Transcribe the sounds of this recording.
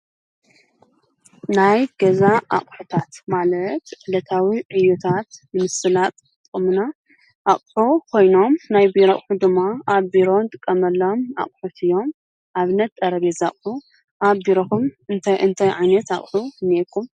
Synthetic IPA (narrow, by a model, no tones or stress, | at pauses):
najɡ̥ɐzaʔa̰χʼħut̪ʰat̪malɐt̪ʕɨlɐt̪ʰawiʕɨjːut̪ʰat̪nɨmɨsɨlat̪ | t̪ʼkʼɨmuna | ʔaχʼħukʰo̞jno̞mnajbiɾoχʼħud̪ɨmːaaβbiɾo̞nt̪ʼɨkʼːɐmɐlːoma̰χʼħut̪ʰɨjo̞m | ʔaβɨnːɐt̪t̪ʼːɐɾɐβezaχʼħu | ʔaβbiɾoxumɨnt̪ʰɨnt̪ʰajʕajnɐt̪a̰χʼħunekʰːum